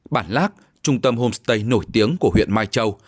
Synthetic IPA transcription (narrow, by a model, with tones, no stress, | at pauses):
ɓaː˧˩nlaː˦˥k̚ | t͡ɕʊ˧ŋ͡mt̪ə˧mho˧mst̪ə˧jno˧˩jt̪i˨˦əŋku˧˩əɦwḭ˧˨ənmaː˧jt͡ɕə˧w